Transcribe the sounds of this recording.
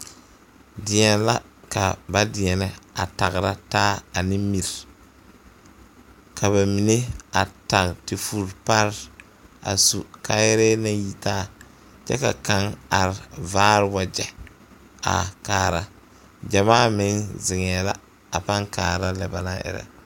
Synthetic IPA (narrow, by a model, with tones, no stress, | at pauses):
dɪ˨˦ɛ˨nla˦ka˨ba˦dɪ˨ɛ˨nɪ˦a̰˨ta˨ɣɾa˦taː˦a˨nɪ˦mi˨ɾ | kʰa˨βa˨mi˨ne˦a˨ta˨ŋ˨tɪ˨fu˨ɾpa˦ɾ | a̰˨su˨ka˦jɾɛ˦na˦ji˨taː˦˨ | t͡ʃɛ̰˦ka̰˨ka˦ŋa˨ɾɪ˨vaː˦ɾɪ˦wa˨d͡ʒɛ˨ | a̰˨kaː˨ɾa˦ | d͡ʒa˨maː˦mɪ˨˦ŋzɪ˨ŋɛ˨la˦ | a˨pa˦ŋkaː˨ɾa˦lɛ˨ba˨na˦ʔɪ̰˨ɾa̰˨